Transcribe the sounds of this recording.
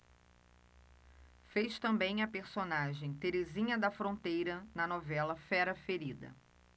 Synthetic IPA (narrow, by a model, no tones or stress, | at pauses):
fejʃt̪ɐ̃mbẽj̃ɐpeɾsonaʒẽj̃t̪eɾezĩɲɐd̪ɐfɾõnt̪ejɾɐnɐnɔvɛlɐfɛɾɐfeɾid̪ɐ̰